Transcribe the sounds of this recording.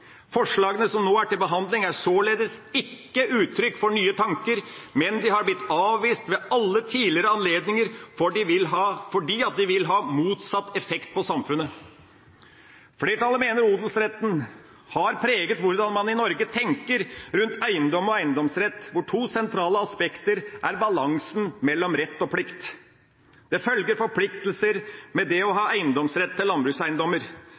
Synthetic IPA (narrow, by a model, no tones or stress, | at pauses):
fɔʂɭɑːɡənəsɔmnoːæʈɪlbəɦɑnd̪lɪŋæsoːleːd̪əsɪkːəʔʉːt̪ʰːɾʏkːfɔɳyːət̪ʰɑŋkəɾmɛnd̪ɪɦɑɾblɪt̪ːɑːʋʋiːst̪ʋɛɑlːət̪ʰiːlɪəɾəɑnleːd̪nɪŋəɾfɔɖɪʋɪlɦɑːfɔɖiːɑt̪̚d̪ɪʋɪlɦɑːmuːt̪sɑt̪ːɛfɛkt̪̚pʰɔsɑmfʉnːə | fleːʈɑlːəmeːnəɾuːd̪l̩sɾɛt̪ːn̩ | hɑɾpʰɾeːɡət̪ʋʊɾd̪ɑnmɑnɪnɔɾɡət̪ʰɛŋkəɾɾʉnt̪ʰæɪənd̪ɔmɔæɪənd̪ɔmsɾɛt̪ːʋʊʈʰuːsɛnt̪ʰɾɑːləɑspɛkt̪əɾʔæɾbɑlɑŋsn̩mɛlːɔmɾɛt̪ːɔpʰlɪkt̪ | d̪̥ɛfœlɡəɾfɔɾpʰlɪkt̪lsəɾmɛd̪ɛɔɦɑːæɪənd̪ɔmsɾɛt̪ʰːɪlːɑnbɾʉːsæɪənd̪ɔmːəɾ